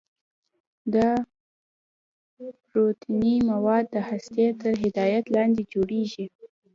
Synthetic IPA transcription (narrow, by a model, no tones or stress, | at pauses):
d̪ə | pɾot̪inimawɑd̪̚ːəhast̪jet̪əɾɦɪd̪ɑjat̪lɑnd̪ed͡ʒoɽeʒi